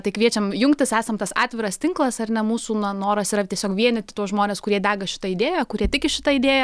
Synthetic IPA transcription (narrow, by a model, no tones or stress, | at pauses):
t̪ɐɪkʋʲiɛt͡ʃʲɛmjʊŋkt̪ʲɪsæːsɐmt̪ɐsɑ̰ːt̪ʲʋʲɪɾɐst̪ʲɪŋklˠɐsɐrnʲɛmuːsuːnɐnoːɾɐsiɾɐtʲiɛsʲoːkʋʲiɛnʲɪtʲɪt̪uɔsʒmoːnʲeːskʊɾʲiɛd̪ʲæːɡɐʃʲɪ̥t̪ɐɪd̪ʲeːjɛkʊɾʲiɛt̪ʲɪkʲɪʃʲɪt̪ɑɪd̪ʲeːjɛ